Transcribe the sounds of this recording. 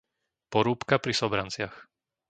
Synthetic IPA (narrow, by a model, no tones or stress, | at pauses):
pɔɾuːpkapɾisɔbɾant͡sɪax